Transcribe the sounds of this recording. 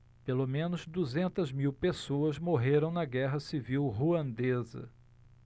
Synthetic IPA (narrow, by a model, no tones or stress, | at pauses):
pelomẽnʊzd̪uzẽnt̪ɐzmiwpesoɐzmoɦeɾɐ̃w̃nɐɡɛɦɐsiviwɦuɐ̃nd̪ezɐ̰